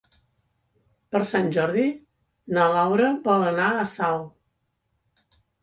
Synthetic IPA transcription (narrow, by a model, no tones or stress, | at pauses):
pəɾsanʲʒɔɾði | nəlawɾəbɔlənaəsaw